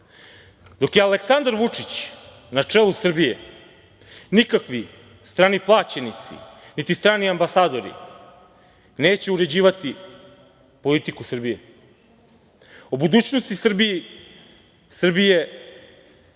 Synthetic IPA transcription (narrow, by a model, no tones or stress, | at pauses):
d̪o̞kjealeksand̪aɾʋut͡ʂit͡ɕ | nat͡ʂelˠusr̩bijḛ | nikakʋi | st̪ɾaːniplˠaːt͡ɕenit̪sḭnit̪ist̪ɾaːniambasaːd̪o̞ɾḭ | neːt͡ɕeuɾe̞d͡ʑiːʋat̪i | po̞lit̪ikusr̩bije | obud̪uːt͡ɕnost̪isr̩biji | sr̩bije̞